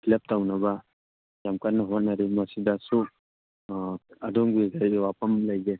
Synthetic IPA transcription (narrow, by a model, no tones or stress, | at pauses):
kʰilep̚tawnaba | jamkanːaɦɔt̚nːaɾimasidasuk̚ | adɔŋbiɡajwapamlajɡe